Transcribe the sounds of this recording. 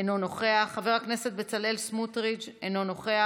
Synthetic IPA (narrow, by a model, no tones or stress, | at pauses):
enono̞χe̞aχːaveʁhakne̞se̞t̪̚be̞t͡sale̞lsmutʁit͡ʃenono̞χea